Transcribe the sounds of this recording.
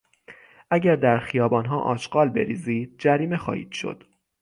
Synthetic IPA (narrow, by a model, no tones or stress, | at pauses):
ʔæɟæɾd̪æɾxijɒːbɒːnɦɒːʔɒ̰ːʃɢɒːlbe̞̰ɾiːziːd̪̥̚d͡ʒæɾiːme̞xɒ̰ːhḭːd̪̥ʃo̰d̪̥